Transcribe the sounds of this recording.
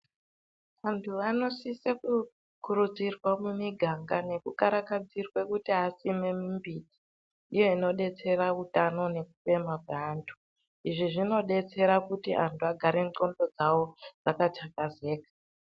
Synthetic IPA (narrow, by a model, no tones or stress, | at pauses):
ʋantʰuʋano̞siseku | kuɾud͡zirwamumiɡʱaŋɡane̞kukaɾakad͡zirwe̞kutiɦasime̞mimbiːd͡zi | ijo̞ino̞ɗe̞t͡se̞ɾaʋutano̞ne̞k̚u̥pe̞makweaːntʰu̥ | iʐiʐino̞ɗe̞t͡se̞ɾakutiʔa̰ntuaɡʱaɾe̞ŋto̞ndo̞d͡zawo̞d͡zakat͡ʃakaze̞ːkḁ